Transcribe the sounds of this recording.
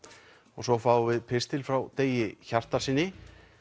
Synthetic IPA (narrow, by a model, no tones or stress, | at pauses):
ɔɣsɔfaːwvɪðpʰɪrst̪ɪlfɾawt̪eːjɪçar̥t̪aɾ̥siːnːɪ